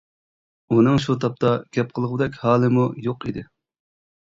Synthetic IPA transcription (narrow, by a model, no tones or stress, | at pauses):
unɨŋʃut̪ʰɑp̚t̪ɑɡʲɛp̚qʰəlˠəʁʊd̪ɛkʲhɑːlˠɨmujoqid̪ɪ